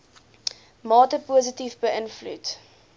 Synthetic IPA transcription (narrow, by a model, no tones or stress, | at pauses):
mɑːtəpuːzətifbəənflṵt